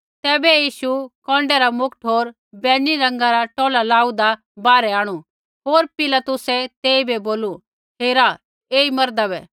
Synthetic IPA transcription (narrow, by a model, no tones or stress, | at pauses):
t̪ɛːbɛjiːʃukɔ̃ːɳɖɛɾamʊkʈʰɦoːɾ | bɛːniɾɐ̃ŋɡaɾaʈɔːlalaːud̪a | baːɾɛaːɽ̃u | ɦoːɾpɪlat̪ʊsɛt̪eːibeboːlu | ɦeːɾa | eːimɐɾd̪abɛ